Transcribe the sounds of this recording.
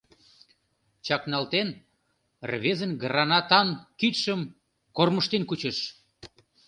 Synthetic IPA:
t͡ɕɑknɑlt̪en | rβezənɡəɾɑnɑt̪ɑnkit̪ʃəm | korməʃt̪enkut͡ɕə̆ʃ

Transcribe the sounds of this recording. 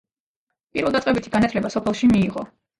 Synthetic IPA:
pʼiɾvɛlˠd̪at̪ʼɛbit̪ʰi̥ɡanat̪ʰlɛbasɔpʰɛlˠʃimiːʁɔ

